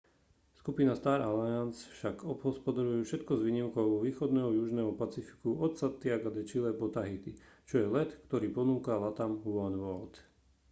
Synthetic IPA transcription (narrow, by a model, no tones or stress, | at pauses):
skupinast̪aːɾaliansfʃaɡɔbɦɔspɔd̪aɾujuːfʃɛt̪kɔzʋiːɲimkɔʊɔʋiːxɔd̪nɛːɦɔjuʒnɛːɦɔpat͡sifi̥kuʔɔt̪sat̪ːiaɡad̪ɛt͡ʃilɛbɔt̪aɦit̪it͡ʃɔjɛlɛt̪kt̪ɔɾiːpɔnuːkalat̪amɦuanʋɔlt̪